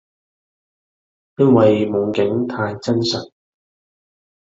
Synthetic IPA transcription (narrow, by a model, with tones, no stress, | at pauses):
jɐ˥nwɐ˨jmʊ˨˧ŋkɪ˨˥ŋt̪ʰaː˧jt͡sɐ˥nsɐ˨t̚